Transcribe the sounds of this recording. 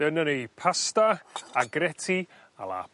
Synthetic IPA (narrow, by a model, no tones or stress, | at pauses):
ənənejpʰastaaɡrɛtʰi | a̰lˠa̰